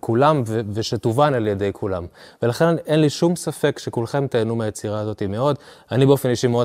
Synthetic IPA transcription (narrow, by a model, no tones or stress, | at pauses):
kulamveveʃet̪uvanaljede̞jkʰula̰mvelaχe̞nʔenliʃumsafe̞kʃekulχe̞mt̪eːnumeajet͡siʁaːzo̞t̪imeo̞danibeo̞fe̞njiʃimeo